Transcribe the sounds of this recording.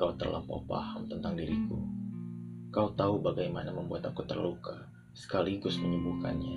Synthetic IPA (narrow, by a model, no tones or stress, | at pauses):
kaut̪ə̰rlʔa̰mpa̰upa̰hamt̪ənt̪aŋdiɾiku | kaut̪aubaɡajmanaməmbuat̪akut̪ərluka | sə̥kaliɡʊsməɲubuhka̰nɲa